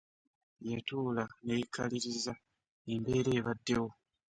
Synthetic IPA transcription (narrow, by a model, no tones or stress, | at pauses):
jatuːlanejikʰːaliɾiza | embe̞ːɾe̞ːβadːewo̞